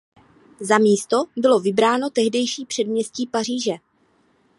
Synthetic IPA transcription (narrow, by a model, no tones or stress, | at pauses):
zamiːst̪o̞bɪlo̞vɪbɾaːno̞t̪ɛɦdɛjʃiːpr̥ɛdmɲɛsciːpar̝iːʒɛ